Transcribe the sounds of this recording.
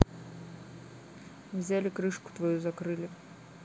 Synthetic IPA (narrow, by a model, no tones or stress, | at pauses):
wzʲalʲikɾɨʂku̥t̪vajuzakɾɨlʲi